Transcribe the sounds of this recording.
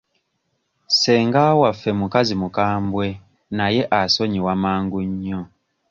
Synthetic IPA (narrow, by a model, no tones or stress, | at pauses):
sɛŋɡawafɛmukazimukaːmbwɛ | najɛʔasɔɲiwamaːŋɡuɲːɔ